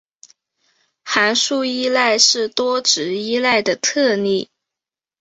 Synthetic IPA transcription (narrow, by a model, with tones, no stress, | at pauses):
xa˧˥nʂu˥˧i˥la˥˧ɪʂɻ̩˥˩t̪wɔ˥ʈ͡ʂɻ̩˧˥i˥la˥˩ɪd̪ə˩t̪ʰɤ˥˧ni˥˩